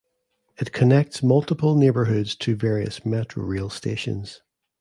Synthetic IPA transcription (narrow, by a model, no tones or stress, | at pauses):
ɪʔkʰənɛk̚tsmʌlˠtɪpəlˠnebə˞ɦʉdz̥tʰəvɛɹiə̰smɛʔɹ̥o̰ɹelˠsteʃə̰̃nz̥